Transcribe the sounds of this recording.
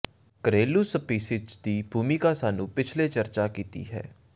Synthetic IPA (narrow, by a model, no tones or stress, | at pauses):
kəɾeːlusəpiːsɪd͡ʒd̪iːbʱuːmikasaːnũpɪt͡ʃʰlet͡ʃɐɾt͡ʃakiːt̪ḭɦɛ̰ː